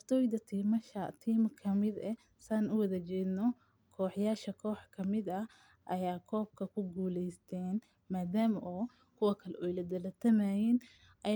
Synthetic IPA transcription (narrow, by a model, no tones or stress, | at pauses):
ɐrt̪ʰɔːjd̪ɐt̪ʰiːmɐʃɐt̪ʰiːmkʰɐmɪd̪ɛ | saːnʊwɐðɐt͡ʃɛːd̪nɔ | kʰɔːħjaːʃɐkʰɔːħkʰɐmɪd̪ɐ | ʔɐjaːkʰɔːb̚kʰɐkʰʊɡuːlɛjst̪ʰɛːn | maːd̪aːmʔɔː | kʰʊwɐkʰɐlɛʔɔjlɐd̪ɐlɐt̪ʰɐmajɛn | ʔɐ